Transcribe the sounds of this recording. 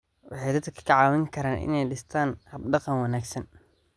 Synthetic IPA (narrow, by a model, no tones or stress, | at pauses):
wɑħɑjd̪ɐt̪kʰɐkʰɐ̥kʰɐʕɑːwɪŋkʰɐɾaːnʔɪ̰nɛjɖɪst̪ʰaːnhɐb̚ɖɑqɑnwɑnaːɡsɐn